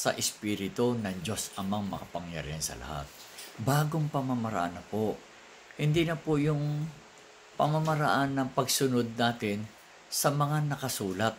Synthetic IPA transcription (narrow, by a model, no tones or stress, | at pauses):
sɐ̰ʔɪspiːɾɪt̪onɐŋd͡ʒo̞sʔɐmaŋmɐkɐpɐŋjɐ̰ɾɪ̰hɐnsɐ̰lɐ̰ha̰t̪̚baːɡoŋpɐmamɐɾɐ̰ʔa̰nːɐpoʔ | hɪnd̪inɐpojʊŋ | pɐmamɐɾɐʔanːɐŋpɐɡsʊnod̪̚naːt̪ɪn | sɐmɐŋanɐkɐsuːlɐt̪̚